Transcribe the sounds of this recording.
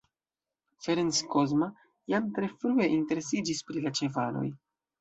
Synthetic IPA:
feɾenskozma | jamtɾe̞fɾue̞ʔinte̞ɾe̞sid͡ʒispɾilat͡ʃe̞valo̞̰j

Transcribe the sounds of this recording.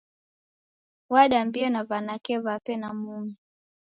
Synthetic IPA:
waɗambiɔnavanakɛvapɛnamumi

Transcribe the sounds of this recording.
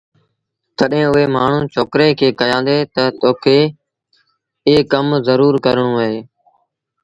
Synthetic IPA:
t̪əɗɦẽːʊɦeːmaːɳ̤ũːt͡ʃoːkɾeːkʰeːkəjãːnd̪eːt̪ət̪oːkʰeː | eːkəmzəɾuːɾkəɾɳ̃ũːəɦeː

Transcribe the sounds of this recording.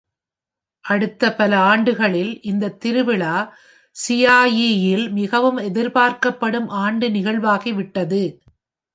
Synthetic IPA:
ʔɐɽɯt̪ːɐpɐlɐaːɳɖɯɣɐɭɪlʔɪnd̪ɐt̪ːɪɾɯʋɪɭaː | sɪjaːjijɪlmɪɣɐʋɯmɛðɪɾpaːɾkɐpːɐɽɯmʔaːɳɖɯnɪɣɐɭʋaːɣiʋɪʈːɐðɯ

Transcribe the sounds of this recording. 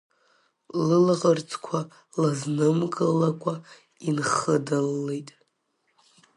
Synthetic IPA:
lɨlʁərt͡sʰʼkʷʰa | laznɨmkʼɨlːakʷʼa | inχədalːejtʼ

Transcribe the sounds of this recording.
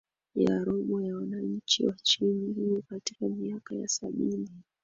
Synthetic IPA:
ja̰ɾɔɓɔjawanaɲ̩t͡ʃḭwat͡ʃinihijɔkatikamiakaja̰saɓini

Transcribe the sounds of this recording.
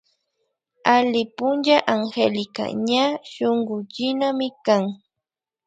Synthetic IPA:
alɪpʊnd͡ʒaʔaŋxelɪka̰ɲaʃoɴɢʊt͡ʃɪnamɪkaŋ

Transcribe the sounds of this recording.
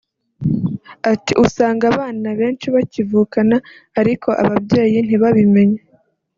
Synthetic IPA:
atiʔusaːŋɡaβaːnaβe̞ːnt͡ʃiβacivuːkanaː | ɾikʰo̞ʔa̰βabɟe̞ːjin̥iβaβime̞ɲe

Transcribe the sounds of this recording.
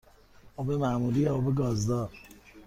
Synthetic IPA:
obemamuliɛobeɡɒːzd̪ɒːɾ

